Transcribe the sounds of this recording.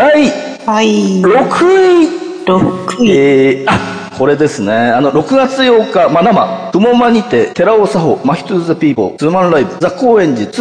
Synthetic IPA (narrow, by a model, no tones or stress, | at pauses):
d̪̥ai | haiɾo̞kʰɯi | ɾokea | kʰo̞ɾe̞d̪e̞sɨne̞ano̞ɾo̞kɯ̟ɡat͡sɨjo̞ːkamanama̰pɯ̟mo̞maɲ̟it̪e̞t̪e̞ɾaosaɦo̞maçʲi̥t̪ɨzapʲiːbo̞̰ɨmãnɾaibɯ̟zakːo̞ːẽ̞ɲ̟d͡ʑit͡sɨ̥